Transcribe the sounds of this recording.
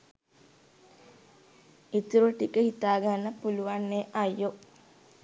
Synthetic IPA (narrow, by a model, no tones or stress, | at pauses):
it̪uɾuʈikəhit̪aːɡanːəpuluʋanːeʔajːo